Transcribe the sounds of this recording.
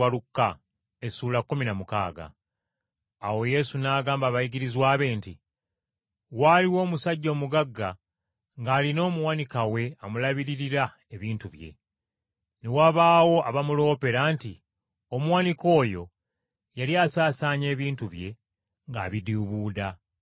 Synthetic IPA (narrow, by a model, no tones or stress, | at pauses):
alukːa | e̞suːlakːominamuka̰ːɡa̰ | wo̞je̞sunaːɡaːmbaβajiɡiɾizwaːβe̞ːnti | waːliwo̞ːmusaɟːo̞ːmuɡaɡːa | ŋɡaːlino̞ːmuwanikawe̞amulaβiɾiɾiɾa | e̞βiːntuβje̞̰ | newaːβaːwo̞ʔaβamulo̞ːpe̞ɾanti | o̞muwaniko̞ːjo̞ | jaliaːsaːsaːɲe̞ːβiːntuβje̞ | ŋɡa̰ːβidiuβuːda